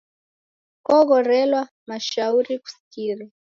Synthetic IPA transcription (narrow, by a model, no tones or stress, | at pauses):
kɔɣɔɾɛlwa | maʃauɾiku̥si̥kiɾa